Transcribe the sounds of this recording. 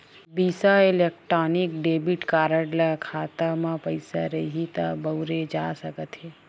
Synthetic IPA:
biːsaɪleːk̚ʈɾaːnikɖeːbiʈkaːɾəɽlakʰaːt̪amãpəɪsaɾɐɦit̪abəwɾed͡ʒasəkət̪ɦeː

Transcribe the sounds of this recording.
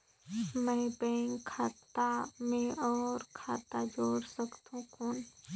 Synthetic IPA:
mə̃jbẽŋkʰaːt̪amẽɔːɾkʰaːt̪ad͡ʒoːɾsəkt̪ũkun

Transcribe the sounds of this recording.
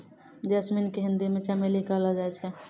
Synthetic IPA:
d͡ʒəsminkeɦind̪imet͡ʃamelikəlɔd͡ʒajt͡ʃʰɛ

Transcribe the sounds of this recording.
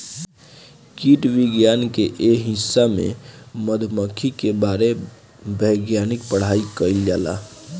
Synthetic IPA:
kiʈʋiɡjankeʔeɦɪsːamḛ̃məd̪ʱməkʰikebaɾe | bəɪɡjanik̚pəɽ̤aikəild͡ʒaːla̰

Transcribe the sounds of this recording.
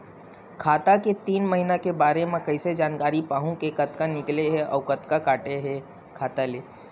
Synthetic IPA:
kʰaːt̪aket̪iːnmɐɦinakebaːɾemẽkɐɪsed͡ʒaːnkaːɾipaːɦũkekɐt̪kanɪkleɦɛʔɔ̰ːʋkɐt̪kakaːʈeɦɛ | kʰaːt̪aleː

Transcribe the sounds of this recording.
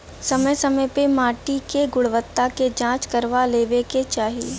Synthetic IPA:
sɐməjsɐməjpemaːʈikeɡʊɽʋət̪ːaked͡ʒãːt͡ʃkɐɾʋaleːʋeket͡ʃaːɦi

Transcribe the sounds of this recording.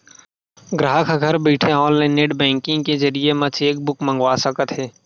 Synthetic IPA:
ɡɾəɦəkʰaɡʱəɾbiːʈʰeɔ̃ːlleneːɖbɛ̃ːŋkɪ̃ŋkezəɾijemɐt͡ʃʰeːk̚bʊkmə̃ŋɡwaːsəkət̪ɦeː

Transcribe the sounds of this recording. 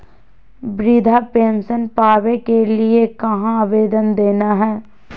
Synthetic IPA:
bɾɪd̪ʱapẽːnsənpaːʋekeliekɐɦãaːʋeːd̪ənd̪eːnaɦɛː

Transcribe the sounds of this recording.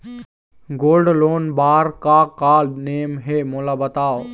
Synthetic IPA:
ɡoːlɖloːnbaːɾkakaːlneːmɦemoːlabɐt̪aːo

